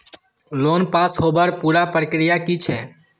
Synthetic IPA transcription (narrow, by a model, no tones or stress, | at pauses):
loːnpaːsɦoːbəɾpuːɾaːpɾəkɾɪjaːkiːt͡ʃʰɛː